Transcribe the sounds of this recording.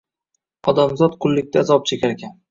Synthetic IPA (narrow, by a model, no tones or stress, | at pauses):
ɒd̪amzɒt̪qʰʊlˠːɪk̚ʲt̪ʲazɒp̚t͡ʃʰekʲaɾekʲan